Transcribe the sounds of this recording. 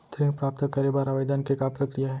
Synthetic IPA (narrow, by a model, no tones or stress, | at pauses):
t̪ʰɾĩmpɾaːp̚t̪əkɐɾebaːɾaʋəjd̪aːnkekapɾɐkɾijaɦɛ